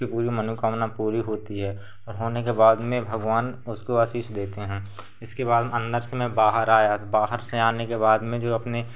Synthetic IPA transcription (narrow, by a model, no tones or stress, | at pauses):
ipuːɾimənukaːmnapuːɾiɦoːt̪iɦɛː | ɔːɾɦoːnekebaːd̪mẽbʱɐɡʋaːnʊskoaːʃiːʃd̪eːt̪eɦɛ̃ː | ɪskeβaːd̪mẽə̃nd̪əɾsmẽbaːɦəɾaːjabaːɦəɾseaːnekeβaːd̪mẽd͡ʒoːɐpne